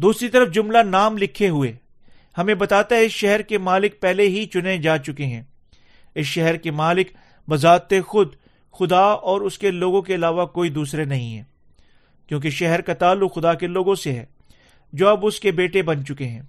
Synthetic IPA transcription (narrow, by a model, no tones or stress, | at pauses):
d̪uːsɾit̪ɐɾəfd͡ʒʊmlanaːmlɪkʰːeɦʊeː | hɐmẽbɐt̪aːt̪aɦɛɪsʃɛɦɛɾkemaːlɪk̚pɛɦleɦit͡ʃʊned͡ʒaːt͡ʃʊkeɦɛ̃ː | ɪsʃɛɦɛɾkemaːlɪk | bɐzaːt̪exʊd̪ | xʊd̪aɔːɾʊskeloːɡõk̬eɐlaːʋakoːid̪uːsɾenɐɦĩɦɛ̰ː | kjõːk̬eʃɛɦɛɾkat̪aːlːʊɡxʊd̪akeloːɡõseɦɛ̰ː | d͡ʒoːɐbʊskebeːʈebɐnt͡ʃʊkeɦɛ̃ː